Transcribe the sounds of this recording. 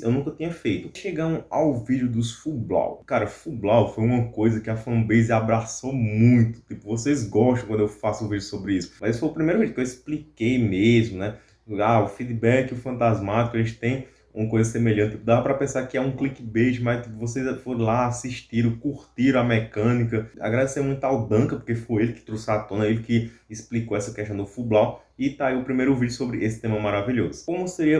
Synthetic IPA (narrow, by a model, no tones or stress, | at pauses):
ḛwnũŋkɐt̪ĩɲɐfejt̪ʊʃeɡɐ̃ɾ̃awvid̪jʊd̪ʊsfubla̰wkaɾɐfublawfojũmɐkojzɐkɪɐfɐ̃bezabɾasowmmũj̃t̪ʊ̥t̪ipʊvosejzɡɔʃt̪ɐ̃kwɐ̃d̪ewfasʊʊvidʊsobɾiisʊ̥mɐzesʊ̥fojʊpɾimejɾʊvid͡ʒukewisplikejmezmʊnɛ | aʊfid̪ibɛkɪʊfɐ̃nt̪azmat̪ikʊɐʒẽnt͡ʃɪ̥t̪ẽj̃ | ũmɐkojzɐsemeʎɐ̃t̪ɪt̪ipd̪avɐpɾɐpẽsaɾkɪɛũklikɪbeʃɪmajt̪ivos̬ejzfoɾ̃laːsiʃt̪iɾ̃kuɾt̪iɾ̃ɐmɛkɐ̃nikɐa̰ɡɾad̪esemũj̃t̪ʊawd̪ɐ̃kɐpo̥kefojelɪkɪ̥t̪ɾosat̪õnɐelɪkɪːsplikowɛsɐkɛʃt̪ɐ̃w̃d̪ʊfublaw | ɪt̪ɾaiwʊpɾimejɾʊvid͡ʒʊsobɾɪʔesɪ̥t̪ẽmɐmaɾaviʎozʊkõmʊseɾiɐ